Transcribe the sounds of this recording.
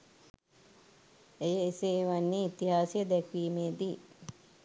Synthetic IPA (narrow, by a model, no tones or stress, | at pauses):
ejəeseːʋanːeit̪iɦaːsijəd̪ɛkʋiːmeːd̪i